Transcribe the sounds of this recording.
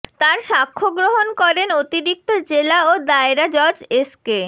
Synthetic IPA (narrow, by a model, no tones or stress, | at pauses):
t̪aɾʃakʰːoɡɾoɦonkɔɾenot̪iɾik̚t̪od͡ʑelaod̪aeɾad͡ʑɔɾd͡ʑeske